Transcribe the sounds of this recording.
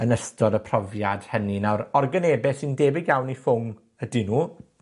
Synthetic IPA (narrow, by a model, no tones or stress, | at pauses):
ənəstʰɔdəpʰrɔvjad̥həninawɾɔrɡəneːbɛsɪndeːbɪɡjawnifʊŋ | ədinuː